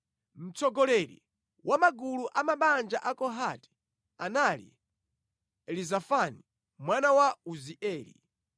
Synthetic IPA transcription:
m̩t͡sɔɡɔlɛɾḭ | wʔamaɡuluʔamaɓand͡ʒaʔakɔɦati̥ | analḭ | ɛlizafani | mwanawauziʔɛːlḭ

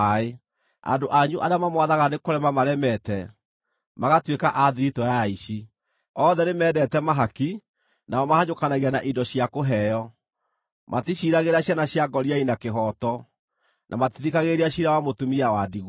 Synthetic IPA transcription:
ae | a̰ndoʔaɲuʔaɾeamamwaðaɣanekoɾɛmamaɾɛmɛtɛ | maɣatwekaʔaðiɾitɔjaiʃi | ɔðɛnemɛːdɛtɛmaɦaki | naɔmahaɲokanaɣianaʔindɔɕiakoɦɛjɔ | mʔatiɕiɾaɣeɾaɕjanaɕjaɡɔɾiainakeɦɔtɔ | nʔa̰matiðikaɣeɾiaɕiɾawamotumiawadiɣ

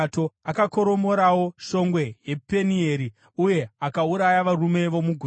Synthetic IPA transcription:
to̞akako̞ɾo̞mo̞ɾawo̞ʃo̞ŋɡwe̞je̞penieɾi | uje̞akauɾajaʋarume̞ʋo̞muɡʱu

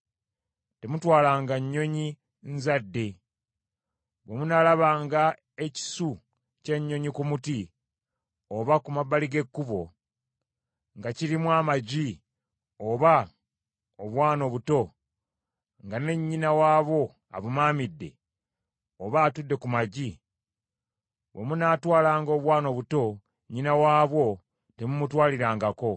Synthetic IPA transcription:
te̞mutwaːlaːŋɡaɲːo̞ɲi | nzadːe̞ | βemunalaβaːŋɡa | e̞ci̥su | ce̞ɲːo̞ɲikumuti | oβakumabaliɡe̞kːuβo̞̰ | ŋɡaciɾimwaːmaɟi | oβa | oβwaːno̞βuto̞ | ŋɡane̞ɲːinawaːβo̞ | a̰βumaːmidːe̞̰ | oβaːtudːe̞kumaɟi | βwemunaːtwaːlaːŋɡo̞ːβwaːno̞βuto̞ | ɲːinawaːβwo̞ | te̞mumutwaːliɾaːŋɡako̞

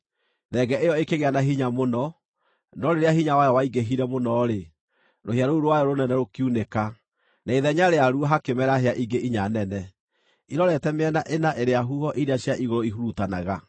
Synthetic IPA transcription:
ðɛɡɛʔejɔekeɣeanaɦiɲamonɔ | nɔɾeɾeahiɲawajɔwaiɡeɦiɾɛmonɔɾe | ɾohjaɾouɾowajɔɾonɛnɛɾokiuneka | naiðɛɲaɾeaɾuɔɦakemɛɾaɦeaʔiɡeʔiɲanɛnɛ | iɾɔɾɛtɛmeɛnaʔenaʔeɾeaɦuhɔʔidaɕjaʔiɣoɾoiɦuɾutanaɣa

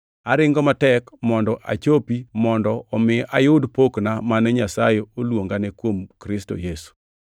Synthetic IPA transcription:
aɾɪŋɡɔmatɛkmɔndɔʔa̰t͡ʃopimɔndɔːmɪʔajʊdpoknamanɛɲasajeolwoŋɡanɛkwomkɾɪsto̰jesu̥

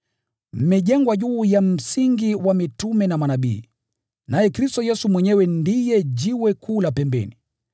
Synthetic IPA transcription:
m̩mɛʄɛŋɡwaʄuːjam̩siŋɡiwamitumɛnamanaɓiː | najɛkɾistɔjɛsumwɛɲɛwɛndijɛʄiwɛkuːlapɛmbɛ̰ni

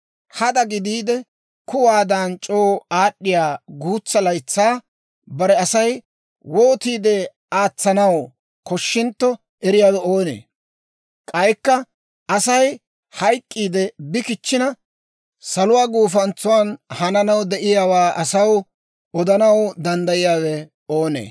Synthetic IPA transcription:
hɐd̪ɐɡɪd̪iːd̪ɛ | kʊwaːd̪ant͡ʃʼoːaːɗːɪjaːɡuːt͡sːɐlɐjt͡sːaː | bɐɾɛɐsɐj | woːt̪iːd̪ɛ | aːt͡sːɐnɐw | kɔʃːɪnt̪ːɔ | ʔɛɾɪjaːdɔoːnḛː | kʼɐjkːɐ | ɐsɐj | hɐjkʼːiːd̪ɛbɪkɪt͡ʃːɪnɐ | sɐlʊwaːɡuːfɐnt͡sːʊwaːnhɐnɐnɐwd̪ɛʔɪjaːwaːʔɐsɐw | ɔd̪ɐnɐwd̪ɐnd̪ɐjɪjaːwɛ | oːnḛː

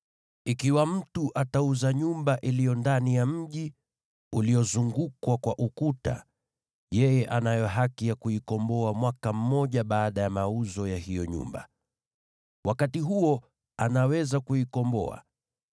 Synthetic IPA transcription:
ikiwam̩tuʔatauzaɲumbaʔilijɔndanijam̩ʄi | ulijɔzuŋɡukwakwaʔukuta̰ | jɛjɛʔanajɔɦakijakuikɔmbɔamwakam̩ːɔʄaɓaːɗajamauzɔjaɦijɔɲṵmba̰ | wʔakatiɦuɔ | anawɛzakuikɔmbɔ̰a̰

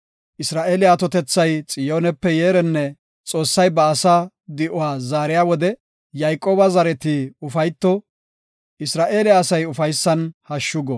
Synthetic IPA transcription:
ʔɪsɾaːʔe̞ːlɪjaːt̪ɔt̪ɛt͡sːɐjt͡sʼɪjoːnɛpːɛjeːɾɛnːɛ | t͡sʼo̞ːsːɐjbɐːsaː | d̪ɪʔʊaːzaːɾɪjaːwɔd̪ɛ | jɐjkʼːo̞ːbɐzɐɾɛt̪iʊfɐjt̪ːɔ | ɪsɾaːʔe̞ːlɪːsɐjʊfɐjsːɐnhɐʃːʊɡɔ

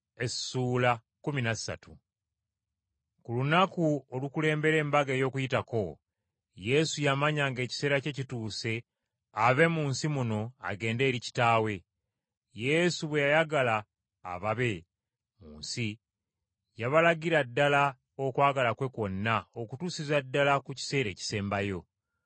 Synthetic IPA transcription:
e̞suːla | kuminassa̰tṵ | kulunakuolukule̞ːmbe̞ɾe̞ːmbaɡeːjo̞kujitako̞ | je̞sujamaɲaːŋɡe̞ːci̥se̞ːɾace̞cituːse̞ | aβe̞muːnsimuno̞a̰ɡe̞ːnde̞ːɾici̥taːwe̞ | je̞suβwe̞jajaɡala̰ː | βaβe̞ | mṵːnsi | jaβalaɡiɾadːala | o̞kwaːɡalakwe̞kwo̞nːaokutuːsizadːalakuci̥se̞ːɾe̞ːci̥se̞ːmbajo̞

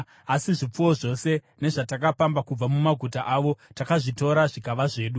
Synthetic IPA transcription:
asiʐip͡fuwo̞ʐo̞se̞ | ne̞ʐatakapambakub͡vamumaɡʱutaʔaːʋo̞takaʐito̞ɾaʐikaʋaʐe̞ːɗu

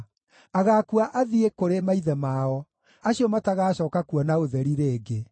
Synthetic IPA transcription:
aɣakuaʔaðiekoɾemaiðɛmaːɔ | aɕiɔmataɣaːɕɔːkakuɔnaoðɛɾiɾeːɡe

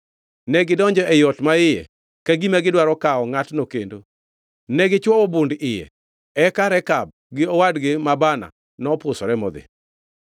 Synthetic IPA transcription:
nɛɡɪdɔɲd͡ʒɔʔɛjɔtmaɪjɛ̰ | kaɡimɛɡɪdwaɾɔkaɔŋatnokendo | nɛɡɪt͡ʃwɔwɔbʊndɪjɛ̰ | ɛkaɾɛkab̚ | ɡɪɔwadɡɪmabana̰ | nɔpʊsɔɾɛmɔd̪ḛ

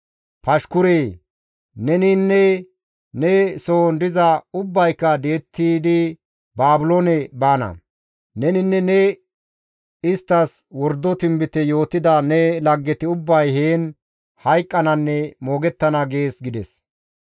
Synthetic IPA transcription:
pɐʃkʊɾeː | nɛnɪnːɛ | nɛsoːnd̪ɪzɐʊbːɐjkːɐd̪e̞ːt̪ːiːd̪ɪ | baːbʊlonɛbaːnɐ̰ | nɛnɪnːɛnɛ | ɪst̪ːɐs | wɔɾd̪ːɔt̪ɪmbɪt̪ɛjo̞ːt̪ːɪd̪ɐnɛlɐɡːɛt̪ɪʊbːɐjheːn | hɐjkʼːɐnɐnːɛmo̞ːɡɛt̪ːɐnɐɡe̞ːsɡɪd̪ɛs

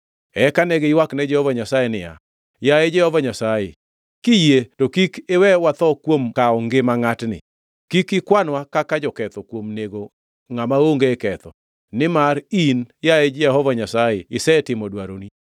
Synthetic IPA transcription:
ɛkanɛɡɪɪwaknɛd͡ʒɛhɔvaɲasajenɪja̰ | jaɛd͡ʒɛhɔvaɲasaje | kijetokikɪwɛwat̪ɔkwomkaɔŋɡɪmaŋatnɪ̰ | kikɪkwanwakakad͡ʒɔkɛt̪ɔkwomneɡo | ŋamaoŋɡeɛkɛt̪ɔ | nɪmaɾinjaed͡ʒɛɦɔvaɲasajeɪsɛtɪmɔdwaɾoni

